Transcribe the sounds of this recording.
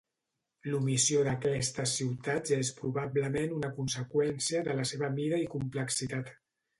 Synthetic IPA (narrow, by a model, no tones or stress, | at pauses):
lumisijoðəkɛst̪əsiwt̪at̪zespɾuβabləmenunəkunsəkwɛnsiəðələseβəmiɾəikumpləksit̪at̪